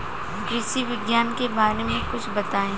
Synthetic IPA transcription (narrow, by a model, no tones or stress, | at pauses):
ɡɾɪsiʋɪɡjaːnkebaːɾemẽkʊt͡ʃʰbɐt̪aːẽː